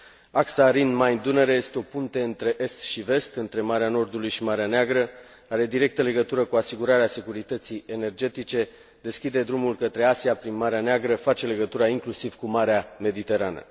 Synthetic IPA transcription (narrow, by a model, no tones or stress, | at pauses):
aksaɾinmajnd̪uneɾeje̞st̪eo̞punt̪e̞ɨnt̪ɾe̞ʔe̞st̪ʃive̞st̪ɨnt̪ɾe̞maɾeano̞rd̪ulujʃimaɾeaneaɡɾə | aɾe̞d̪iɾe̞k̚t̪əle̞ɡət̪uɾəkuasiɡuɾaɾease̞kuɾit̪ət̪sije̞ne̞rd͡ʒe̞t̪it͡ʃe̞ | d̪e̞skʲid̪e̞d̪ɾumulkət̪ɾe̞asiapɾinmaɾeaneaɡɾəfat͡ʃe̞le̞ɡət̪uɾaiŋklusiv̥kumaɾeame̞d̪it̪e̞ɾanə̰